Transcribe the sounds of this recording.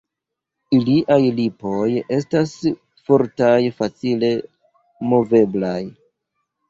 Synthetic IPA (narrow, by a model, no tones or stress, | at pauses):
iliʔajlipo̞je̞stas | foɾtajfat͡sile̞ | mo̞ve̞blaj